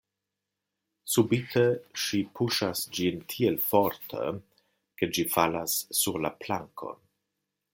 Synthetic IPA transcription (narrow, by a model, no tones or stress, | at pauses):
subitʰeʃipʰuʃasd͡ʒintʰielfoɾtʰə̰ | ked͡ʒifalasːuɾla̰plaŋkʰo̞̰n